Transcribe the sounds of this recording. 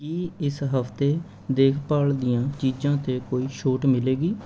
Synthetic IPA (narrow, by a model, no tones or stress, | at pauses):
kiːɪsɦəft̪eː | d̪eːkʰpaːld̪ɪjãːt͡ʃiːd͡ʒãːt̪eːkoːiːʃoːʈmɪleːɡiː